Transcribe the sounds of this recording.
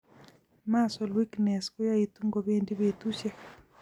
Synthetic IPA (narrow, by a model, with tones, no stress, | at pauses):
ma˦sɔ˨lwi˦knɛ˨skʊ˦ja˦i˨t̪u˦ŋɡo˨be˦ndi˦be˨t̪u˦ʃjɛ˦